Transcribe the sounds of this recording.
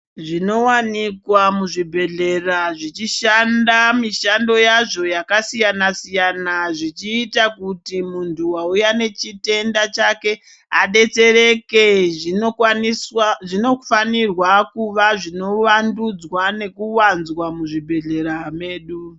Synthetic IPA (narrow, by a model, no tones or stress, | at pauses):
ʐinowanikwamuʐibʱe̞ɮe̞raʐit͡ʃiʃandamiʃando̞jaʐo̞jakasijanasijanaʐit͡ʃiːtakutimuntʰuwaujane̞t͡ʃite̞ndat͡ʃake̞ | a̰ɗe̞t͡se̞re̞ke | ʐinofanirwakuʋaʐino̞ʋandud͡zwane̞kuwanzwamuʐibʱe̞ɮe̞ɾame̞ːɗu